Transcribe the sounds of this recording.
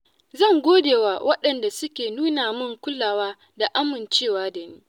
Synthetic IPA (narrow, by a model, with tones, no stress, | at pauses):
zɐ˦˨ŋɡʷoː˦deː˨waː˦wʔɐ˦ɗɐ˨nda˨sʊ˦kʲeː˨nuː˦naː˨mʊ˦ŋkʷʊ˦lːaː˨waː˦ | da˨ʔa˦mɪ˨nt͡ʃeː˦˨waː˦da˨niː˦